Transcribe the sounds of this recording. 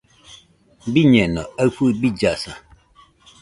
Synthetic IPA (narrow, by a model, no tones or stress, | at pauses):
biɲɛnɔafubid͡ʒasa